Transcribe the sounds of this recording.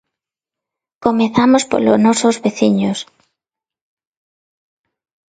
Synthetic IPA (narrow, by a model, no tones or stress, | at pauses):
komeθamospo̰lo̰znɔsozβeθiɲos